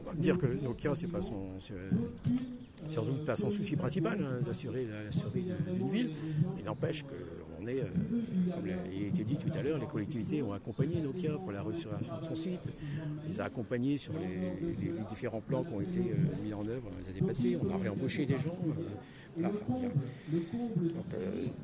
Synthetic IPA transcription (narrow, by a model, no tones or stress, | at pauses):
d̪iʁkənõkjɛ̃sɛpasɔ̃sɛ | sɛsɑ̃d̪ut̪̚pasɔ̃susipχɛ̃sipalɛ̃d̪asyʁelalasyʁid̪d̪ynvililnɑ̃pɛʃkə̰ | ɔ̰̃nɛø̰kɔmla̰et̪ed̪it̪ut̪alœːʁlekɔlɛk̚t̪ivit̪eɔ̃akɔ̃paɲenokjɛ̃puʁlaʁəsyʁiʁssɔ̃sit̪ɔ̃lezaːkɔ̃paɲesyʁleleled̪ifeʁɑ̃plɑ̃kʲɔ̃et̪eø̰mizɑ̃nœvʁəd̪ɑ̃lezad̪epaseɔ̃naʁeɑ̃boʃed̪eʒɑ̃ø | valãfɛ̰̃jɛ̃ | d̪ɔ̃kø̰